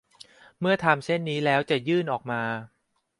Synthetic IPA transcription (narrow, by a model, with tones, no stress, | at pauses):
mɯ˥˩ɐt̪ʰaː˧mt͡ɕʰe˥˩nːiː˦˥lɛː˦˥wt͡ɕa˨˩jɯː˥˩nʔɔː˨˩k̚maː˧